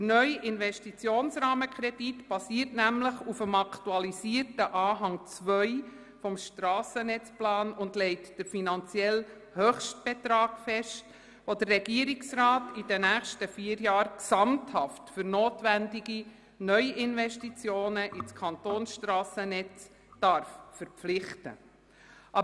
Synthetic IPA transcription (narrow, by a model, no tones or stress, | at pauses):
dənœʏʔɪnʋɛʃtit͡sjoːnsrɑːməkʰɾɛd̥itb̥ɑsiːərtnæmləχufəmɑkʰtuɑlisiərtəʔɑːɦɑŋt͡sʋœʏ | fɔmʃtrɑːsənɛt͡splɑːnʊndlɛɪtd̥əɾfinɑnt͡sjɛl | høχʃt̚b̥ɛt̪ɾɑːɡ̥fɛʃt | ʋodərːɛɡiəɾiksrɑːtidənæːχʃtəfiəɾjɑːɾksɑmthɑftfʏɾnoːtʋændiɡi | nœʏʔɪnʋɛʃtit͡sjoːnəʔit͡skʰɑntoːnsʃtɾɑːsənɛt͡s | d̥ɑɾffəɾpflɪχtə̰ | ʔɑ